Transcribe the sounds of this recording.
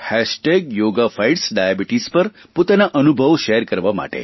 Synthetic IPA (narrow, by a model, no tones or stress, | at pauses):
hæʃʈeɡjoɡafajʈsɖajabiʈispəɾ | pot̪anaʔənubʱəʋʃeɾkəɾʋama̰ʈḛ